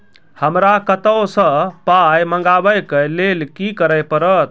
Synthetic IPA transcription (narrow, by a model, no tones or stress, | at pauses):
həmɾakət̪əwsə̃pajməŋɡabəjkəlelkikəɾəjpəɾət̪̚